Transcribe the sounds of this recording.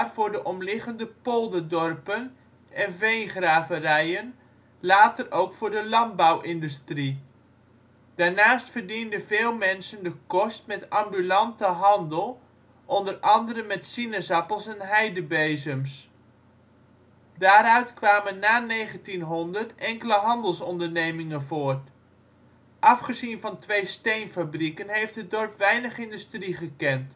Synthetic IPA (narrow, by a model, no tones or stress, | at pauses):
rvʊːɹdəʔɔmlɪχəndəpolˠdədɔrpən | ɛnvejnχraːvərɛjən | laːtərowkfʊːɹdəlɑn̚bawʔɪndystri | d̥aːɹnaːstfərdindəvɪːlˠmɛnsəndəkɔstmɛtɑmbylɑntəɦɑndəlˠ | ʔɔndərɑndəɾənmɛtsinəzɑpəlˠsɛnɦɛjdəbejzəms | daːɾœɥtkʋaːmənːaːnejχəntinɦɔndəɹtɛŋkələɦɑndəlˠsɔndəɹnejmɪŋənvoːɹt | ʔɑfχəzinvɑntʋejstejnfabrikənɦejftɦət̚dɔɹpʋɛjnəχɪndystriχəkɛnt